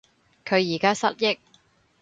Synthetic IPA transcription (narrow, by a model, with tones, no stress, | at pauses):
kʰɵ˨˧ɥjiː˨˩kaː˥sɐ˥t̚jɪ˥k̚